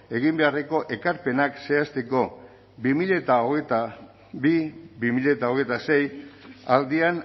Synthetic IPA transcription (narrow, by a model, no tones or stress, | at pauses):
e̞ɣ̞imbe̞areko̞ʔe̞kaɾpe̞nakse̞ast̪e̞ko̞ | bimiʎet̪aoɣet̪a | bibimiʎet̪aoɣ̞e̞jt̪ase̞jald̪ian